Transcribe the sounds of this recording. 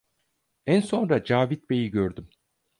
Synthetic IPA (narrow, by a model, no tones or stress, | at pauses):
ænso̞nɾad͡ʒaːvit̪̚be̞jiɟøɾd̪ym